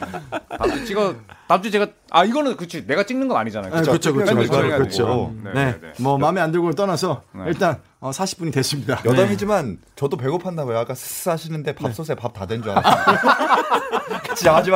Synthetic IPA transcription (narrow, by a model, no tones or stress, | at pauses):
tad͡ʑut͡ɕiɡatamd͡ʑit͡ɕe̞ɡa | aiɡʌnɯnkɯt͡ɕʰine̞ɡat͡ɕ͈iŋnɯnɡʌnaɲid͡ʑanajo̰kɯet͡ɕʰkɯt͡ɕʰokɯoaɾokɯt͡ɕʰone̞mʌmamiandɯɭɡot͈ʌnasʰʌiɭt͈an | ʌsʰaɕʰi̥p͈uɲitwes͈ɯmɲidajʌdamid͡ʑimant͡ɕʌdop̬e̞ɡopʰandaɡojoak͈asʰɯ̥s͈ɯɦaɕʰinɯnde̞paps͈os̬ʰe̞pap̚tadwend͡ʑuaa | kɯ̥t͡ɕʰiad͡ʑima